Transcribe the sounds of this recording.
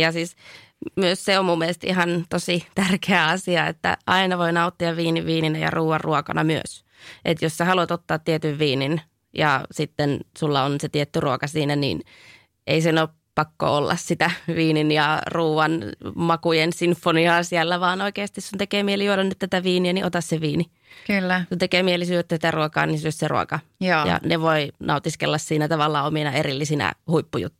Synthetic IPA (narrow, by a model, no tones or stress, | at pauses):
jɑsiːs | myøsseommumːelest̪iɦɑnt̪osit̪ærkeæɑsiɑḛt̪ːæ̰ʔɑinɑʋoinɑut̪ːiɑʋʋiːniʋːiːninæjɑ̰ruːʋɑrruokɑ̰nɑ̰myø̰s | ʔet̪jossæhɑluɑt̪ot̪ːɑːt̪t̪iet̪yʋʋiːnin | jɑ̰sit̪ːensulːɑonset̪iet̪ːyruokɑsiːnænḭːn | ʔḛisenoːp | pɑkːo̰olːʔɑ̰ssit̪æʋiːninjɑruːʋɑnmɑkujensinfːoniɑːsiælːæʋɑːnoikeːst̪issunt̪ekeːmielijuolɑnːyt̪t̪æt̪æʋiːniæniʔot̪ɑsseʋiːni | kylːsunt̪ekeːmielisyːset̪ːæsit̪æruokɑ̰ːnisøsserṵo̰kɑjɑ̰neʋoinɑ̰ut̪iskḛlːɑssiːnæt̪ɑʋɑlːɑːominɑerilːisinæ̰huipːujṵt̪ːu